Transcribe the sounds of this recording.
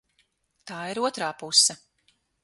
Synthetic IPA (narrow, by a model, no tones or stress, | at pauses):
t̪aːiɾuɔt̪ɾaːpusːɐ